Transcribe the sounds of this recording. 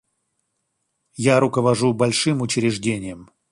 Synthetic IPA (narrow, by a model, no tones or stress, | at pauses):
jaɾʊkəvɐʐubɐlʲʂɨmʊt͡ɕɾʲɪʐdʲenʲɪjəm